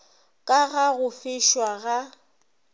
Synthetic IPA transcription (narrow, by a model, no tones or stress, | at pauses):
kʼaɣaɣʊfɪʃwaɣa